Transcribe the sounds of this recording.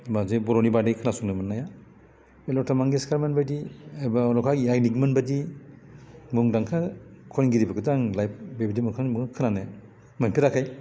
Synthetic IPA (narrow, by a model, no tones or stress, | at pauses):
mazebɔɾonibadejkʰɯnasuŋnɯmɯnːaja | elɔtʰamaŋɡiskʰaɾmanbadiajbaɔlɔkʰajaɡnikmɯnbadi | muŋdaŋkʰakʰɔnɡiɾibaɡɯdaŋlajp̚bebidimuŋkʰanmukkʰɯnanaj | manpʰiɾakʰaj